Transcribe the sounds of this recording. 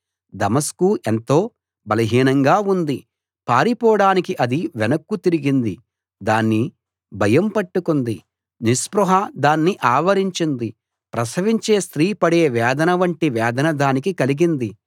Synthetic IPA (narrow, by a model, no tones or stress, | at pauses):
d̪ɐmɐskuʔent̪o̞ː | bɐlɐɦiːnɐŋɡaːund̪i | paːɾipɔːɽaːnikiʔɐd̪iʋɛnɐkːut̪iɾiɡind̪i | d̪aːnːi | bʱɐjɐmpɐʈːukund̪i | nispɾuɦɐd̪aːnːiʔaːʋɐɾiɲt͡ʃind̪i | pɾɐsɐʋiɲt͡ʃe̞ːst̪ɾiːpɐɽe̞ːʋɛːd̪ɐnɐʋɐɳʈiʋɛːd̪ɐnɐd̪aːnikikɐliɡind̪i